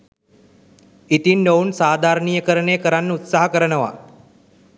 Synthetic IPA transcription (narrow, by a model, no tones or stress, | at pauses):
it̪inɖowunsaːd̪ʱaːɾəɳijəkəɾəɳejəkəɾanːəut̪saɦəkəɾənəʋa̰